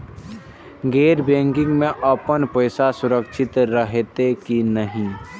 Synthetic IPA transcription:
ɡeːɾbẽːŋkɪ̃ŋɡmẽʔəpənpəɪsasʊɾəkʃʰɪt̪ɾəɦet̪ekinəɦĩ

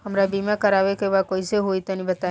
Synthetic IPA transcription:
ɦəmɾabimakəɾaʋekeʋakoiseɦojt̪ənibət̪a

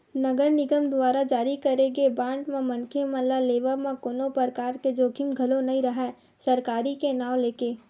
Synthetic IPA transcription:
nɐɡəɾnɪɡəmd̪waːɾad͡ʒaːɾikɐɾeɡebãːɳɖmẽmɐ̃nkʰemɐ̃laleːʋəmẽkoːnopəɾkaːɾked͡ʒoːɡʱimɡʱɐlonɐɦĩɾɐɦɛː | sɐɾkaːɾikenaːwleːkeː

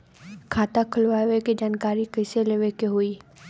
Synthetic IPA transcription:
kʰaːt̪akʰʊlʋaːʋeked͡ʒaːnkaːɾikəɪseleːʋekeɦoi

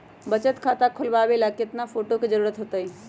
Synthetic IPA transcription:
bət͡ʃət̪kʰat̪akʰʊlbabelaket̪napʰoːʈoked͡ʒəɾuːɾət̪ɦot̪əj

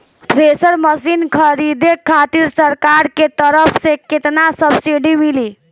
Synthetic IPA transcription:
pɾesəɾməsinkʰəɾid̪ekʰːat̪iɾsəɾkaɾket̪əɾəpʰseket̪nasəbsiɖimili

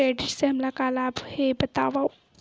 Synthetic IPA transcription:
eːɖɪʈseɦɐmlakaːlaːbhebɐt̪aːʋa

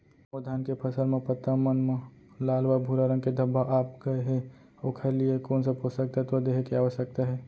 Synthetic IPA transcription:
od̪ʱaːnkepʰɐsəlmẽpət̪ːəmənmẽ | laːlʋabʱuɾaɾə̃ŋɡked̪ʱəbʱaʔaːpkeɦɛ | oːkʰeliekoːnsaposək̚t̪at̪od̪eːɦekeaːʋəʃək̚t̪aɦɛː

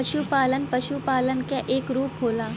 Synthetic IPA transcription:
ɐʃupaːlənpɐʃupaːlənkeʔeːkɾuːpɦoːlaː

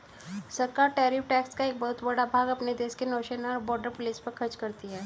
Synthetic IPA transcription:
sɐɾkaːɾʈɛːɾɪfʰʈɛːkskaeːk̚bɔɦʊt̪bɐɽabʱaːɡɐpned̪eːʃkenoːʃenaɔɾbɔːɾɖəɾpʊliːspɐɾkʰɐɾt͡ʃkɐɾt̪iɦɛː

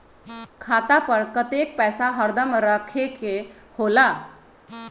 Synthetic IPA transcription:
kʰat̪apəɽkət̪ek̚pɛjsaɦəɾd̪əmɾəkʰeke | hola

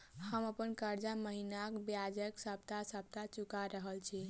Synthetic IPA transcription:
həməpənkəɾd͡ʒaməɦinakbjad͡ʒəksəb̚t̪asəb̚t̪at͡ʃukaɾəɦəlt͡ʃʰi

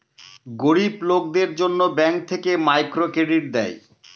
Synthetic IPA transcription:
ɡoɾiblok̚d̪eɾd͡ʑonːobɛŋk̚t̪ʰekemajkɾokeɖiɾd̪ɛj

